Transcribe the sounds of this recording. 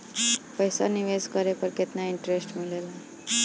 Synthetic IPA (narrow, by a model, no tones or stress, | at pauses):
pəjsaniʋed͡zkəɾepəɾket̪naiɳʈɾesʈmilela